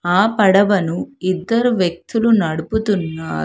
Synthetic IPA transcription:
aːpɐɽɐʋɐnuid̪ːɐɾuʋjek̚t̪ulunɐɽuput̪unːaːɾu

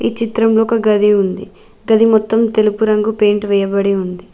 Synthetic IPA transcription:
iːt͡ʃit̪ɾɐmloːkɐɡɐd̪ʱiund̪i | ɡɐd̪imɔt̪ːɐmt̪e̞lupuɾɐŋɡupe̞ːɳʈʋɛjɐbɐɽiund̪i

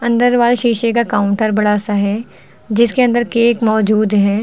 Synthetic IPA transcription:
ɐ̃nd̪əɾʋaːlʃiːʃek̬akaːʊ̃ɳʈəɾbɐɽaːsaɦɛː | d͡ʒɪskeɐ̃nd̪əɾkeːkmɔːd͡ʒuːd̪ɦɛː

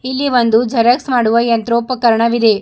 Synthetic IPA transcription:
ilːiʋɐnd̪ud͡ʒʱɐɾɐksmaːɽuʋɐjɐnt̪ɾoːpɐkɐɾɐɳɐʋid̪e̞

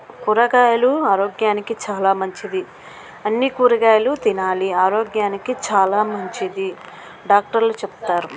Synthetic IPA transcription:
kuɾɐɡaːjɐluaːɾoːɡjaːnikit͡ʃaːlaːmɐɲt͡ʃid̪i | ɐnːikuːɾɐɡaːjɐlut̪inaːliaːɾoːɡjaːnikit͡ʃaːlaːmɐɲt͡ʃid̪i | ɖaːk̚ʈɐɾlut͡ʃɛpu̥t̪aːɾu

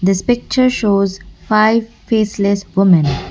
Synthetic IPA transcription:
d̪əspɪk̚t͡ʃəɾʃoːzfaɪʋ | feːslesʋʊmə̃n

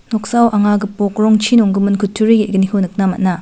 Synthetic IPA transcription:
nɔk̚sawʔaŋaɡɯpɔk̚ɾɔŋt͡ʃʰinɔŋɡɯmɯnkʰutʰuɾiɡiiɡənikʰɯwnɯk̚namat̚na

